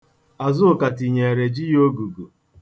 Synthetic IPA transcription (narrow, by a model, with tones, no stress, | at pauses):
a˨zʊ˦ʊ˨ka˨ti˨ɲe˨e˨ɾe˨d͡ʒi˦jo˦ɡu˨ɡu˨